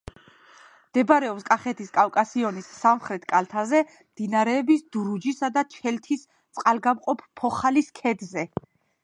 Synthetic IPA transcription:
md̪̥ɛbɾɛɔpskʼaχɛt̪ʰiskʼafkʼasiɔnisːamχɾɛt̪ʰkʼalt̪ʰazɛ | md̪̥inaɾɛːbisd̪̥uɾud͡ʒisad̪at͡ʃʰɛlt̪ʰis | t̪sʼqʼalɡamqʼɔpʰpʰːɔχaliskʰɛd̪zɛ

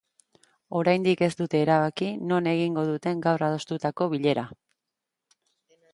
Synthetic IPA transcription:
o̞ɾajnd̪ike̞zd̪ut̪e̞ːɾaβakino̞ne̞ɣ̞iŋɡo̞ð̞ut̪e̞ŋɡawrað̞o̞st̪ut̪ako̞βiʎe̞ɾa

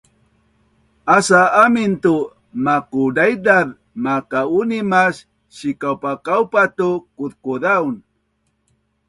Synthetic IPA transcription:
asaamint̪u | makudajdað | makaunimas | ɕikawpakawpat̪ukuðkuðaun

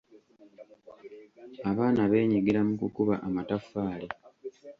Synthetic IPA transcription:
aβaːnaβe̞ːɲiɡiɾamukukuβaʔamatafːaːle

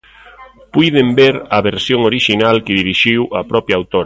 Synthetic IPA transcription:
pujðembeɾɐβeɾsjoŋoɾiʃinalkɪðiɾiʃiwʔɐpɾɔpjaːwt̪oɾɐ

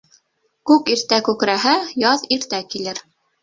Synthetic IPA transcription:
kʉkiɾt̪ækʉkɾæɦæjɑðiɾt̪ækilɘɾ

